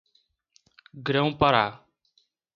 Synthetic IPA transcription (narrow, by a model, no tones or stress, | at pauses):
ɡɾə̃w̃paɾaː